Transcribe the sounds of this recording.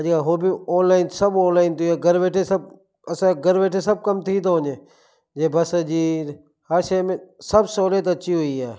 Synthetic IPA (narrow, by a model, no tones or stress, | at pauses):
d͡ʒkaːɦoːbioːnlaːɪnsəboːnlaːɪnt̪ieːɡəɾʋeːʈʰesəb̚ | ɐsãɡəɾʋeːʈʰesəb̚kəmt̪ʰit̪oɦõːneː | d͡ʒeːbəsəd͡ʒiːɾ | həɾʃemẽsəbsoːleːt̪ətːt͡ʃʰiɦoːiaː